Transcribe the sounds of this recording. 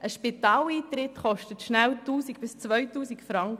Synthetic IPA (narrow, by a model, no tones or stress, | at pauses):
ʔəʃpit̪ɑːliːt̪ɾɪtχɔʃtətʃnæwtuːsiɡb̥ɪst͡sʋœjtuːsikfɾɑŋk